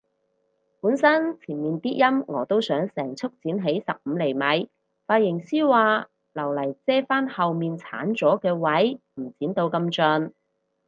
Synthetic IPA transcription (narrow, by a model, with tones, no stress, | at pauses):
puː˨˥nsɐ˥nt͡sʰiː˨˩nmiː˨nt̪iː˥t̚jɐ˥mŋɔ̰ː˨˧t̪o˥wsœː˨˥ŋsɛː˨˩ŋt͡sʰʊ˥k̚t͡siː˨˥nɦe˨˥jsɐ̰˨p̚m̩ː˨˧le˨˩jmɐ˨˧˥j | faː˧t̚jɪ˨˩ŋsiː˥waː˨˧ | lɐ˨˩wlɐ˨˩jt͡sɛː˥faː˥nhɐ˨wmiː˨nt͡sʰa̰ː˨˥nt͡sɔː˨˥kɛː˧wɐ˨˥jm̩˨˩t͡siː˨˥nt̪o˧wkɐ˧mt͡ʃœ˧n